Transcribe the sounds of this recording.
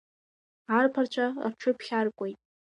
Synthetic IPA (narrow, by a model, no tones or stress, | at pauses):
arpʰart͡ɕʷʰa̰rʈ͡ʂʷʰʊpʰχʲarkʷʼojtʼ